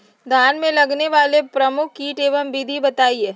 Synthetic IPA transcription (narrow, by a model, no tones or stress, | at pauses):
d̪ʱaːnmẽlɐɡneʋaːlepɾɐmʊkʰːiːʈeːʋəmbid̪ʱibɐt̪aːieː